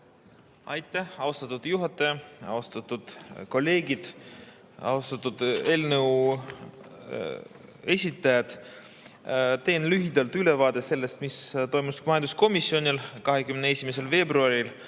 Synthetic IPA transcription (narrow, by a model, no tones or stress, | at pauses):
ɑjt̪ːˑæhɑwst̪ɑt̪ːud̪̥juɦɑt̪ˑːɑjɑɑ̰wst̪ɑt̪ːud̪̥ko̞lːe̞ːɡid̪̥ | ɑ̰wst̪ɑt̪ːˑud̪̥e̞ːlnəw | e̞sʲit̪ːˑɑjɑd̪̥ | t̪e̞ːnlyɦid̪ɑlt̪yle̞vɑːd̪ese̞lːe̞st̪mist̪o̞jmusmɑjɑnd̪usko̞misːjo̞nʲilkɑɦe̞kymneesʲimese̞lve̞ːbɾuɑɾil